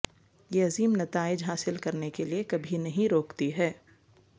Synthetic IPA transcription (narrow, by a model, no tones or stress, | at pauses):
jeɐziːmnɐt̪aːɪd͡ʒɦaːsɪlkɐɾnekeliekɐbʱinɐɦĩɾoːkt̪iɦɛː